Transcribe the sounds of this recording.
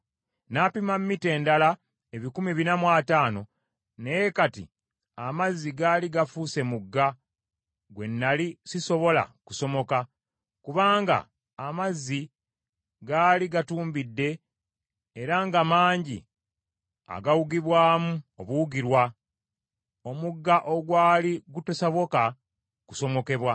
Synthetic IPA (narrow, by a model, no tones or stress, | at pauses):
napimamːite̞ːndala | eβikumiβinamwaːtaːno̞ | ne̞jekatḭ | amazːiɡaːliɡafuːse̞muɡːa | ɡwe̞nːalisiso̞βo̞la̰ku̥so̞mo̞ka | kuβaːŋɡa̰ː | mazːi | ɡaːliɡatuːmbidːe̞ː | ɾaŋɡamaːɲɟḭ | a̰ɡawuɡiβwaːmuoβuuɡiɾwa | o̞muɡːaʔo̞ɡwaːliɡutosaβo̞ka | ku̥so̞mo̞ke̞βwa